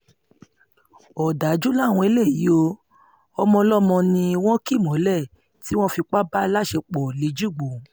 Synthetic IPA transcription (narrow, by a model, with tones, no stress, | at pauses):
ɔ˨da˨˦d͡ʒu˦la˦˨w̃ɔ̃˧e˨˦le˦˨ji˨˦o˧ | ɔ˧mɔ̃˧lɔ˦mɔ̃˧nĩ˧i˧w̃ɔ̃˦ki˦˨mɔ̃˨˦lɛ˦˨ | ti˦w̃ɔ̃˦fi˧k͡pa˦ba˦la˦˨ʃe˧k͡pɔ˨le˨˦d͡ʒu˦˨ɡ͡bo˨